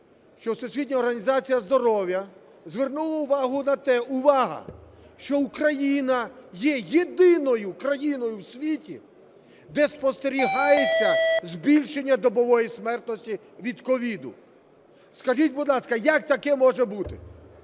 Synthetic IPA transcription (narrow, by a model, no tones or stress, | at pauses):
ʃt͡ʃɔsʊsʲʋʲid̪ʲnʲɐɔrɦɐnʲizɑt͡sʲijɐzd̪ɔɾɔwjɐ | zʋernulˠɐʊʋɑɦʊnɐt̪ɛʔʊʋɑɦɐ̰ʃt͡ʃɔʊkɾɐjinɐjɛjed̪ɪnɔjʊkɾɐjinɔjʊwsʲʋʲitʲḭ | d̪ɛspɔst̪eɾʲiɦɑjet͡sʲːɐzbʲilʲʃenʲːɐd̪ɔbɔʋɔjismɛrt̪nɔsʲtʲi | ʋʲid̪kɔʋʲid̪ʊ | skɐʒitʲbʊd̪lˠɑskɐjɐk̚t̪ɐkɛmɔʒɛbut̪ɪ